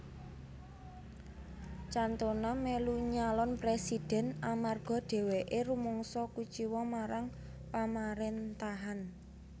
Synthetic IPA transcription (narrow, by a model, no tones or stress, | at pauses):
t͡ʃant̪onameluɲalɔnpɾesid̥ɛ̤namarɡ̥ɔ̤ɖ̥e̤weʔeɾumɔŋsɔkut͡ʃiwɔmaɾaŋ | pamaɾent̪aɦan